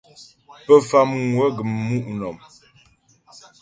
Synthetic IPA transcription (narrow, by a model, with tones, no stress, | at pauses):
pə˦fa˦mŋwə˦ɡə˨mmu˦ʔnɔ˨m